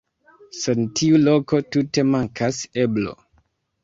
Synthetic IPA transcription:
sentʰiulo̞ko̞tute̞maŋkʰase̞blo̞̰

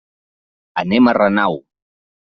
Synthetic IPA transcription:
ənemərənaw

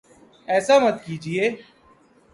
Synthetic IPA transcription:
ɛːsaːmət̪̚kiːd͡ʒieː

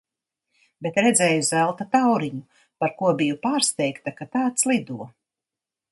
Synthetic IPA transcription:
bet̪ɾɛd̪zɛːjuzɛlˠt̪at̪awɾiɲu | paɾkuɔbijupaːɾst̪ɛjkt̪akat̪aːt̪slˠid̪uɔ

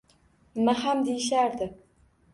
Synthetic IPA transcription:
maɦamd̪ejɪʃaɾd̪ɪ

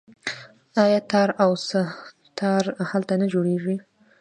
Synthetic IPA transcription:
ɑjɑt̪ɑɾawsə | t̪ʰɑɾhalt̪anad͡ʒoɽeʐi

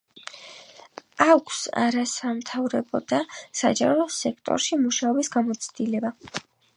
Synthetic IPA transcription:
akʷʰsa̰ɾasamt̪ʰavɾɛbɔd̪asa̰d͡ʒa̰ɾɔsɛkʰt̪ʼɔ̰ɾʃimuʃaɔbisɡamɔt̪sʰd̪ilɛba

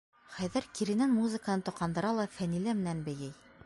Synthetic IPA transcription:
χæjðɘɾkiɾinænmuzɘ̆kənɤnt̪ŏqʰɑnd̪ɤ̆ɾɑlˠɑfænilæmɘ̆nænbɘ̆jɘj

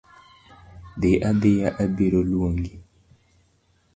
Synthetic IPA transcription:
deʔadejaʔabeɾolwoŋɡi

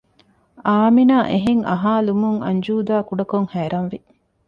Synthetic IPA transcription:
aːminaːʔeɦeŋʔɐ̰ɦaːlumuŋɐ̰ɲd͡ʒuːd̪aːkuɖɐkoŋhæːɾɐnʋi

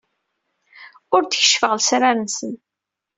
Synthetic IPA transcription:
ʊɾt̪əçə̥ʃfəʁlsɾaɾənsən

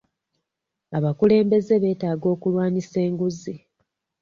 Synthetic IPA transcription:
aβakule̞ːmbe̞ze̞βe̞ːtaːɡo̞ːkulwaːɲise̞ːŋɡuzi

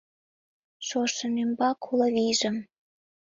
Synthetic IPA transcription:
ʃoʃə̆nembɑkʰolɤβiʒə̆m

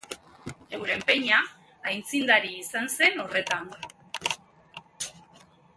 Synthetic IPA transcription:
e̞wɾe̞mpe̞ɲaː | jnt͡sind̪aɾiːsanse̞no̞re̞t̪an

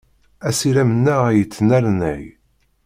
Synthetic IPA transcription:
æsiɾæmənːæʁæjət͡sːənæɾnæ̰j

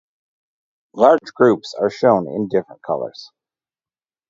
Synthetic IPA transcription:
lɑɹd͡ʒɡɹʉpsə˞ʃõʊ̃nɪ̰̃ndɪfɹə̃nkʰʌ̰lˠə̰˞z̥

